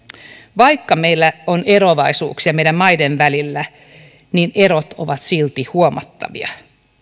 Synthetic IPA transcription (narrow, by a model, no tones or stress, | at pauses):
ʋɑikːɑme̞ilːæoneɾoʋɑisṵːksiɑmeidæmmɑjdenʋælilːæ | nine̞ɾot̪o̰ʋɑt̪silt̪ihuomɑ̰t̪ːɑ̰ʋḭɑ̰